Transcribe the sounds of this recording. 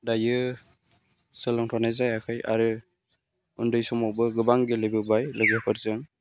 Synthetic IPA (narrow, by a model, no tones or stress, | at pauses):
dajɯ | sɯlɔŋtʰɔnajzajakʰɯja̰ɾɯ | undɯjsɔmɔbɯɡɯbaŋɡelejbɯbajlɯɡikʰɯɾzɯŋ